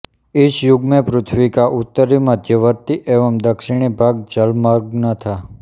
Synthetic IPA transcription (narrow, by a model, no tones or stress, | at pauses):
iʃjʊɡmepɾʊt̪ʰʋikaʔut̪ːəɾiməd̪ʱjəʋəɾt̪iʔeʋəmd̪əkʃiɽ̃ibʱaɡ̚d͡ʒəlmaɾɡ̚nət̪ʰa